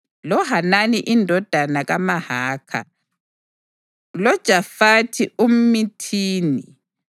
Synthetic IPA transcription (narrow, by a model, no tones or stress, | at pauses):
lɔɦananiʔindʱɔd̥ʱanaɣamaɦaːkʰa̰ | lɔd̥ʒ̥ʱafatʰiʔum̩mitʰiːni